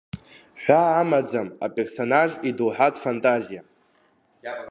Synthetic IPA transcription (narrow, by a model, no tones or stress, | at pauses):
ħʷaːmad͡zamapʼerso̞naʒidowħatʼfantʼazija